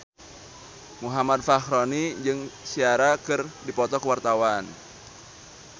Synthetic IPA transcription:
muɦamad̪̚fahɾonid͡ʒɨŋsiaɾakɨrdipɔt̪ɔkəwart̪awan

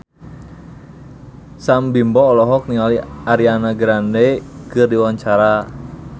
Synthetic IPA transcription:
sambimbɔːlɔɦɔk̚niŋaliaɾianaɡɾandekɨrdiwaɲt͡ʃaɾa

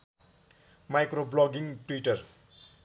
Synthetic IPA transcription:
majkroblɔɡiŋʈwiʈʌr

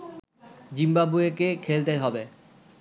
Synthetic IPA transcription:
d͡ʑimbabuekekʰelt̪eɦɔbe

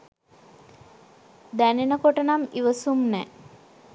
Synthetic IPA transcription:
d̪ænenəkoʈənamiʋəsumnɛ

